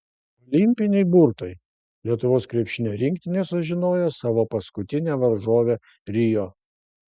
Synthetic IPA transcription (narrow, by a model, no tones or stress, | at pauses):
ɔlʲɪmʲpʲɪnʲɛɪbuɾt̪ɐj | lʲiɛt̪ʊʋoːskɾʲɛpʲʃʲɪnʲoːɾʲɪŋʲkt̪ʲɪnʲesʊʒʲɪnoːjosɑːʋoːpɐskʊt̪ʲɪnʲeːʋɐɾʒoːʋʲe | ɾʲɪjoː